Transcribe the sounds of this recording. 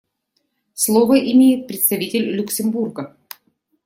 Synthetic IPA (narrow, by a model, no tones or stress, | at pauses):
slˠovəʔɪmʲejɪt̪̚pɾʲɪt̪st̪ɐvʲitʲɪlʲːʊksʲɪmburɡə